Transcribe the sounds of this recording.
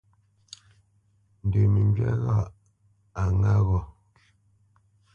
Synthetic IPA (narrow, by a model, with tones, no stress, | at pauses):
n̩˨də˨mi˨ɲd͡ʒɥɛ̰˦ɣa˦˨ | a˨ŋa˦ɣɔ˨